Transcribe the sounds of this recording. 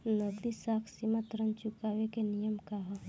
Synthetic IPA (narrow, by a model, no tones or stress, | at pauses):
nəɡd̪isaːkʰsimat̪ɾənt͡ʃʊkaːʋekenijəmkaɦo